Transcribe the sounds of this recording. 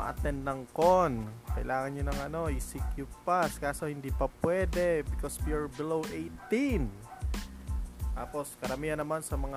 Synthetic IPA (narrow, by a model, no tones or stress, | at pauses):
ɐ̰ʔɐ̰t̪ɛnd̪nɐŋkonkɐʔɪ̰lʔaːŋɐnɲonɐŋɐno̞ʔɪsikjʊpaskaːso̞hɪnd̪ipɐpwɛːd̪ɛbɪkoswiaɹbɪlowʔejt̪in | tt̪aːpo̞skɐɾɐmiːhɐnːɐmansɐmɐŋa